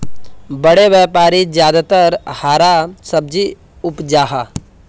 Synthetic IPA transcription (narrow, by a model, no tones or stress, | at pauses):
bəɽeʋjɛːpaːɾid͡ʒjaːd̪at̪əɾhaːɾasɐb̚d͡ʒi | ʊpd͡ʒaːɦaː